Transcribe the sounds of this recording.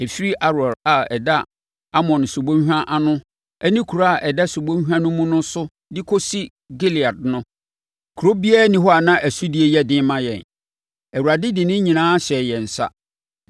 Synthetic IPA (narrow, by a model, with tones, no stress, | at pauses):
e˨fi˦ɾi˦ʔa˦ɾɔ˨ɾa˨ɛ˨da˦ | a˦mɔ̃˨n˨su˨bõ˦hᶣã˦ʔa˦nʊ̃˦ | æ˦nĩ˦kʰu˨ɾo˦a˨ʔɛ˨da˦su˨bõ˦hᶣã˦nʊ̃˦mũ˦nʊ̃˦sʊ˦ | dɪ˦kʰo˦si˦ | ɡi˦li˨a˨dnʊ̃˦ | kʰu˨ɾo˦bi˦ɛ˦nĩ˦ɦɔ˦a˨nã˦ʔæ˨su˦di˨e˦jɛ˦dɪ̃˦mã˦jɛ̰˨n | æ˨u˨a˨dɪ˦dɪ˨nɪ̃˦ɲĩ˨nãː˦ɕɛ˨jɛ˨n̩˨sa̰˦